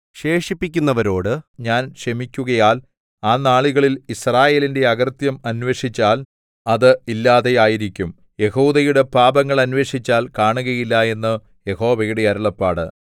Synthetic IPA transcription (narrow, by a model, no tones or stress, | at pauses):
ɕe̞ːʂipːikʲːunːɐʋɐɾo̞ːɽɨɲaːnɕɐmikʲːuɣɐjaːl | aːnaːɭiɣɐɭilisraːje̞ːlinde̞ɐɣɐrt̪jɐmɐnʋe̞ːʂit͡ɕːaːl | ɐðɨilːaːðe̞jaːjiɾikʲːum | je̞huːðɐjuɽe̞paːbɐŋːɐɭɐnʋe̞ːʂit͡ɕːaːlkaːɳuɣɐjilːɐe̞nːɨ | je̞ho̞ːʋɐjuɽeɐɾuɭɐpːaːɽɨ